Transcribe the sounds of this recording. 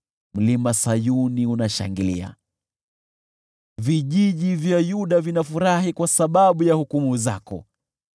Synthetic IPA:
m̩limasajuniunaʃa̰ŋɡilḭa̰ | viʄiʄivjajuɗavinafuɾahikwasaɓaɓujahukumuzakɔ̰

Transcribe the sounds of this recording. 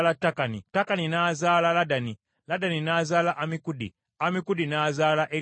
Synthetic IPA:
latːakanḭtakaninaːzaːlaladani | ladaninaːzaːlaʔamikudḭ | amikudinaːzaːlaʔe

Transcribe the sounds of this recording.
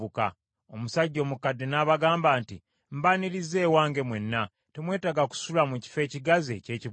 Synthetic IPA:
uka̰ | o̞musaɟːo̞ːmukadːenaːβaɡaːmbaːntḭ | m̩baniɾize̞ːwaːŋɡe̞mwe̞nːa | temwe̞ːtaɡaku̥sulamuci̥fe̞ːciɡaze̞ce̞ːci

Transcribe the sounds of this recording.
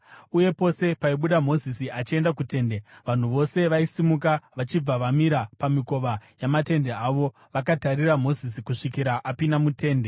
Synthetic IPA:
uje̞po̞se̞paiɓuɗamo̞zisiat͡ʃie̞ndakute̞ːndeʋan̤uʋo̞se̞ʋaisimuk̬aʋat͡ʃib͡vaʋamiɾapamiko̞ʋajamate̞nde̞aʋo̞ | ʋakataɾiramo̞zisikuʂikiɾaʔapinamute̞ːnde̞

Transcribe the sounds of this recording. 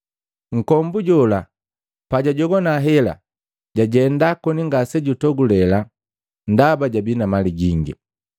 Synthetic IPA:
ŋ̩kɔmbuɟɔla | paɟaɟɔɡɔnaɦɛla̰ | ɟaɟɛndakɔniŋɡasɛɟutɔɡulɛla | ndabaɟabinamaliɡiŋɡḭ

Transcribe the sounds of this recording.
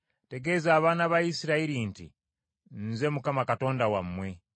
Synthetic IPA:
te̞ɡe̞zaːβaːnaβajisiɾaiɾintḭ | nze̞mukamakato̞ːndawamːwe̞

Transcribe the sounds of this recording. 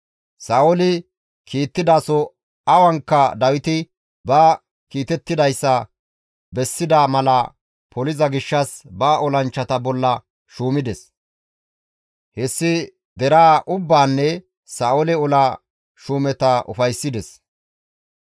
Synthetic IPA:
saːʔɔlɪ | kʰiːt̪ːɪd̪aːsɔ | ɐwɐŋkːɐd̪ɐwɪt̪ɪ | bɐː | kiːt̪ɛt̪ːɪd̪ɐjsːɐ | bɛsːɪd̪amɐlɐ | pʰɔlɪzɐɡɪʃːɐsbaːʔɔlɐnt͡ʃːɐt̪ɐbɔlːɐ | ʃuːmɪd̪ɛs | hɛsːɪ | d̪ɛɾaːʔʊbːaːnːɛ | saːʔɔlɪɔla | ʃuːmɛt̪ɐʔʊ̰fɐjsːɪd̪ɛs

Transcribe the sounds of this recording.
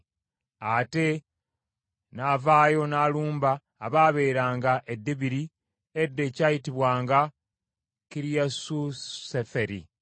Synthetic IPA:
ate̞ | naːvaːjo̞naːluːmbaː | βaːβe̞ːɾaːŋɡaʔedːeβiɾi | edːe̞caːjitiβwaːŋɡa | kiɾijasusefeɾi

